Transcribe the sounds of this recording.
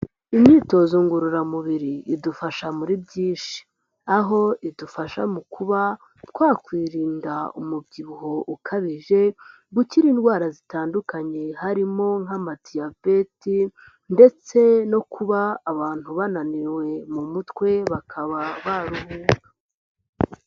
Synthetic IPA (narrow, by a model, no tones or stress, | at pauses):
imɲiːto̞zuːŋɡuɾuɾamuβiɾiːdufaʃamuɾibɟiːʃi̥ | aɦo̞ʔidufaʃa̰mukʰuβa | tkwaːkwiːɾiːndaumubɟiβuɦo̞ʔukʰaβiʒe̞ | ɡuciɾiːnɡwaːɾazitaːndukaɲe̞haɾimo̞ŋ̥amatʰijave̞ti | nde̞t͡se̞no̞kʰuβaːβaːn̥huβananiɾwe̞mumutwe̞βakʰaβaβaɾuβuːŋɡa